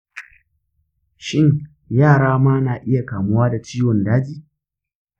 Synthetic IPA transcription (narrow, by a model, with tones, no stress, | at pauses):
ʃɪ˦ŋ | jaː˦˨ɽaː˦maː˦naː˨ʔɪ˦ja˨kaː˨mʊ˦waː˦da˨t͡ʃiː˦wɔ˨ndaː˦d͡ʒiː˦